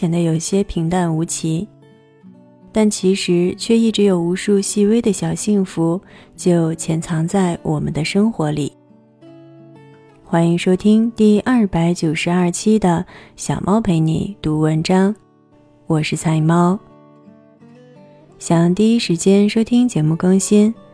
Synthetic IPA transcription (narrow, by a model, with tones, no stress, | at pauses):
jɛ˨˩nd̪ə˦jo˨˩ʊɕjɛ˥pʰi˧˥ŋt̪a˥˩nu˧˥t͡ɕʰi˧˥ | t̪a˥˩nt͡ɕʰi˧˥ʂɻ̩˧˥t͡ɕʰɥɛ˥˧i˥˩ʈ͡ʂɻ̩˧˥jo˨˩ʊu˧˥ʂu˥˧ɕi˥˧we˥ɪd̪ə˨ɕjɑ˨˩ʊɕi˥˩ŋfu˧˥t͡ɕjo˥˩ʊt͡ɕʰjɛ˧˥nt͡sʰɑ˧˥ŋt͡sa˥˩ɪwʔɔ˨˩mə̰˦nd̪ə˧ʂɤ˥ŋxwɔ˧˥li˨˩˦ | xwa˥ni˧˥ŋʂo˥ʊt̪ʰi˥ŋt̪i˥˧ʔɐ˞˥˩pa˧˥ɪt͡ɕjo˨˩ʊʂɻ̩˧˥ɐ˞˥˩t͡ɕʰi˥d̪ə˨ɕjɑ̰˨˩ʊmʔɑ˥ʊpʰe˧˥ɪnḭ˧˩˦t̪u˧˥wə˧˥nʈ͡ʂɑ˥ŋ | wɔ˨˩ʂɻ̩˥˧t͡sʰa˥˩ɪmɑ˥ʊ | ɕjɑ˨˩ŋt̪i˥˧i˥ʂɻ̩˧˥t͡ɕjɛ˥nʂo˥t̪ʰi˥ŋt͡ɕjɛ˧˥mu˥˩kɤ˥ŋɕi˥n